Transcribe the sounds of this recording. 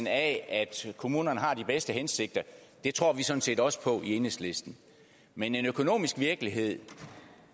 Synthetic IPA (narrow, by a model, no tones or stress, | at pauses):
nææd̥kʰo̝muːnɐnəɦɑ̈d̥ib̥esd̥əɦense̝ɡ̥̚d̥ɐd̥e̝t͡sʰʁo̝ɐ̰ʋisɒ̽d̥n̩se̝̰ːdɒ̽sə̥pʰɒ̽ʔie̝nəsle̝sd̥n̩ | mene̝nøkʰo̝no̝̰ːmisɡ̥ʋiɐɡ̥əliɦe̝ð̞̰ˠ